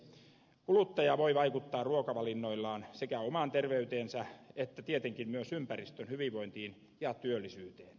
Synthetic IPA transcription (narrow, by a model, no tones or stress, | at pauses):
kulut̪ːɑjɑʋoiʋɑikut̪ːɑːrruokɑʋɑlinːoilːɑːnsekæomɑˑnt̪erʋeyt̪eːnsɑet̪ːæt̪iet̪eŋkimmyøsympærist̪ønhyʋiʋʋoint̪iːn | jɑt̪yølːisyːt̪eːn